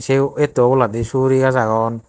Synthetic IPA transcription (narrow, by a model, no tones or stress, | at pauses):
seet̪ːoolat̪isuɾikazaɣɔn